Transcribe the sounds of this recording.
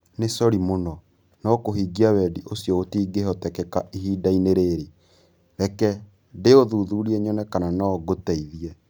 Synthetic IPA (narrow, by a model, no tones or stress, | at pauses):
nesɔɾimonɔ | nɔkoɦiːɡiawɛdiʔosjɔotiːɡehɔtɛkɛkaʔiɦiːdaineɾeɾe | ɾɛkɛ | deoðuːðuːɾiɛɲɔnɛkananaɡotɛiðiɛ